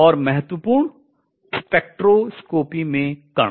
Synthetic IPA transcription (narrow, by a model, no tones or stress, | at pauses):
ɔːɾmɛɦət̪wəpuːɾɳ | speːk̚ʈɾoskoːpimẽkɐ